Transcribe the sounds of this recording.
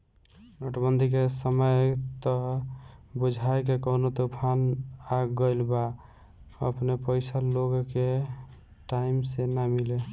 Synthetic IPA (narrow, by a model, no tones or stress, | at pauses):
noʈəbənd̪ʱik̬esəməjt̪ɔ | bud͡ʒʱaek̬ekoɦnot̪opʰanaɡɡəjlba | ə̰pnepəjsaloɡke | ʈaimsenamile